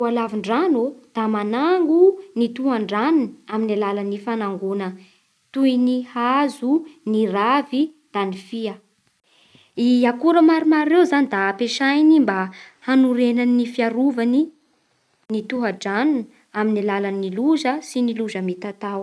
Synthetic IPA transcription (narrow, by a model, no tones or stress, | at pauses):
alaviɳɖ͡ʐanud̪̥amanaŋɡunit̪uɦaɳɖ͡ʐannaminalalanifanaŋɡunə | t̪ujnihazuniravi | d̪̥anifiə | iakuɾəmaɾumaɾːewzanid̪apeʃajnimba | hanuɾenaninifiaɾuvani | nit̪uɦəɖ͡ʐann | aminalalanːiluʒəsiniluzəmit̪at̪aw